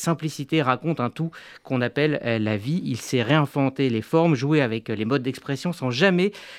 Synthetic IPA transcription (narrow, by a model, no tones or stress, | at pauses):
sɛ̃plisit̪eʁakɔ̃t̪ɛ̃t̪u | kɔ̃napɛlːaviilsɛʁeɛ̃vɑ̃t̪elefɔʁmʒueavɛklemɔd̪̚ːɛkspχɛsjɔ̃sɑ̃ʒamɛ